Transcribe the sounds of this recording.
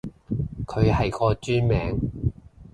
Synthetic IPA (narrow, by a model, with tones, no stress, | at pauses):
kʰɵ˨˧ɥhɐ˨jkɔː˧t͡ʃyː˥nmɛː˨˥ŋ